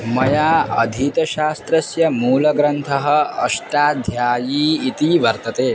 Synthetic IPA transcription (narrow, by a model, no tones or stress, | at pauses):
mɐjaːɐd̪ʱiːt̪ɐʃaːst̪ɾɐsjɐmuːlɐɡɾɐnt̪ʰɐɦɐ̆ɐʃʈaːd̪ʱjaːjiːit̪iːʋɐɾt̪ɐt̪eː